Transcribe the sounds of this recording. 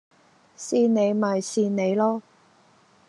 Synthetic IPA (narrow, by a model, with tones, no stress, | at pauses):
siː˧ne˨˧jmɐ˨jsiː˧ne˨˧jlɔː˥